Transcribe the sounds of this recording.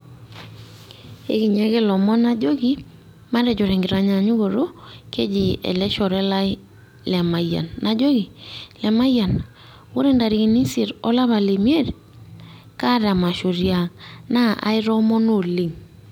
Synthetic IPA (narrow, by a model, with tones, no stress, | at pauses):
ḛ˦ki˨ɲa˦ɣe˦lɔ˨mɔ˦na˦d͡ʒo˦ɡi˦ | ma˦ɾɛ˨d͡ʒɔ˨ɾɛ˨ŋɡɪ˨ɾa˨ɲa˨ɲu˦ɡo˨ɾo˦ke˦d͡ʒi˨ɛ̰˨lɛ˦ʃɔ˨ɾɛ˦la˦ɪ˦ | lɛ˨ma˨ja̰˨nːa˨d͡ʒo˦ɡi˨lɛ˨ma˦ja˨n | wo˦ɾe˦nda˨ɾi˨ki˨ni˦si˨ɾɔ˦la˦βa˨le˨mje˦ɾ | ka˦ɾa˨ma˨ʃo˨ɾja˨ŋna˦a̰˨ɪ˦ɾɔ˦mɔ˦no˦˨li˨ŋ